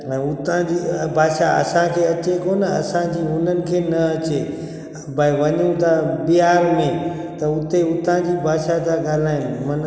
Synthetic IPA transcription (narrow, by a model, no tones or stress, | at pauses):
ɛ̃ʊt̪ãd͡ʑiːbʱaːʃaɐ̰sãkʰeːɐt͡ɕekoːnɐ̰sãd͡ʑiːʊn̤ənɪ̆kʰeːnɐɐt͡ɕe | bʱaiʋɐɲũt̪abiaːɾmẽ | t̪ɐʊt̪eʊt̪ãd͡ʑiːbʱaːʃat̪aɡaːl̤aːĩmɐn